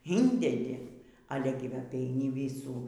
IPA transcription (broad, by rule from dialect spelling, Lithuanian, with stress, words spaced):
ˈiːnʲdʲɛdʲɪ ˈɑːlʲɛ ɡʲɪ ˈʋɐ ɐpʲɛɪˈnʲɪ ˈʋʲiːsuː